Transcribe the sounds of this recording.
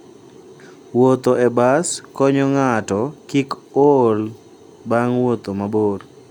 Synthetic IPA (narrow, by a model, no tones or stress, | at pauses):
wot̪oebaskɔɲɔŋatɔkikol | baŋwot̪omabor